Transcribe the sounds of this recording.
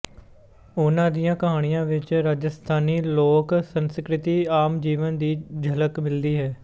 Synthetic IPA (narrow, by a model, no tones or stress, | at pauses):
ʊnãːd̪ijãːkəɦaːɽ̃ɪjãːʋɪt͡ʃɾaːd͡ʒəst̪ʰaːniːloːksənskɾɪt̪iːaːmd͡ʒiːʋənd̪iːd͡ʒʱələkmɪld̪iːɦɛː